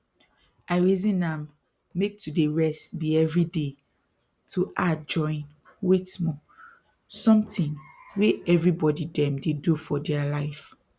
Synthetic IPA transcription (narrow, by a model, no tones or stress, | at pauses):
aɪɹizĩnãmː | ek̚tʰudeɹɛstbiɛvɹide | tʰuʔad͡ʒɔ̃ɪ̃n | wetmɔ̃ | sɔ̃mtĩnweɛvɹibɔdidɛ̃mdedufɔdɛalaɪf